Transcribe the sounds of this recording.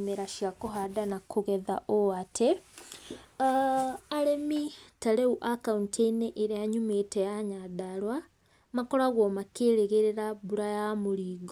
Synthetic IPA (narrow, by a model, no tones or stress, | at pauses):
meɾaʃjakoɦadanakʰoɣɛðaʔoatʰe | aɾemitaɾeuʔakaunteneʔeɾeaɲumetejaɲaðaɾwa | makɔɾaɣwɔmakeːɾeɣeɾeɾaβuɾajamoɾiːɣo